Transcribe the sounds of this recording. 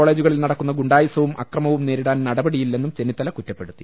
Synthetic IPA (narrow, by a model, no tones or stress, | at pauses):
oɭe̞ːd͡ʑuɣɐɭilnɐɽɐkːunːɐɡuɳɖaːjɐsɐʋumʔɐkrɐmɐʋumne̞ːɾiɽaːnnɐɽɐbɐɽijilːe̞nːumt͡ɕe̞nit̪ːɐlɐkutːɐpːe̞ɽut̪ːi